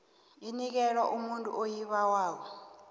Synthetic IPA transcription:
inik̬ɛɺwaʔumuntʼṵʔojiɓawaːkɔ

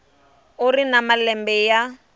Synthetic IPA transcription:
ʊrinamalɛmbɛja

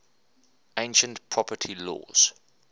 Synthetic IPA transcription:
ẽɪ̃nʃə̃ntpʰɹ̥ɔpətʰilɔ̰ːz̥

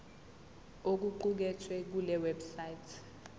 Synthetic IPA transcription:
ok̬uǃuk̬ɛtʰwɛk̬ulɛwɛbsajtʰ

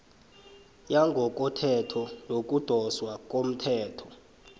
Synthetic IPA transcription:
jaŋɡʱɔk̬ʼɔtʰɛtʰɔlok̬ʼud̥ʱɔswakʼom̩tʰɛːtʰɔ̥

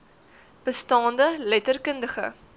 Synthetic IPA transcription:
b̥əstɑːndəlɛtərkəndəχə̰

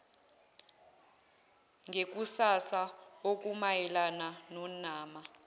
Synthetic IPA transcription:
ŋɡʱek̬usasaok̬ʼumajɛlananɔnaːma

